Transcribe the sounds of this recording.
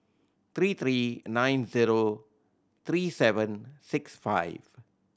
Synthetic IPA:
t̪ʰɾiːt̪ʰɾiːnãɪ̃nziːɾo | t̪ʰɾiːsɛʋə̃nsɪksfa̰ɪʋ

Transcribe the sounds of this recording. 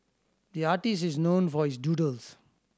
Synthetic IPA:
d̪iaːʈɪsʈiznõːnfɔɾɪzɖjuːʈəls

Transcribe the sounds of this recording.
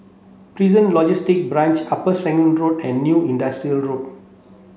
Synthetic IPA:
pɾizə̃nlɔd͡ʒistik̚bɾãnt͡ʃapəsɛ̃ŋmə̃nɹotɛ̃nːjuĩndastɾiəlɹot̚

